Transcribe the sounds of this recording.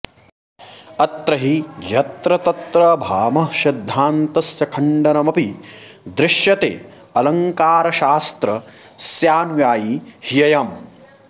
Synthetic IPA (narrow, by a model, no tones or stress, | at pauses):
ɐt̪ɾɐɦijɐt̪ɾɐt̪ɐt̪ɾɐbʱaːmɐʃɐd̪ʱːaːnt̪ɐsjɐkʰɐɳɖɐnɐmɐpid̪ɾɪʃjɐt̪ḛː | ɐlɐŋkaːɾɐʃaːst̪ɾɐ | sjaːnʋjaːjihijɐjaːm